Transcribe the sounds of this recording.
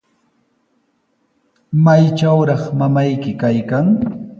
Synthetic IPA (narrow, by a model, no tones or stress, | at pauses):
majt͡ʃawɾɑχmamajkɪkajkaŋ